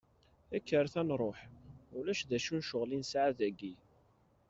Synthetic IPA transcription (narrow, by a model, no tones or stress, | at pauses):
ækːəɾˤθænɾˤoħulæʃðæʃunʃʊʁlinsʕaðæɡi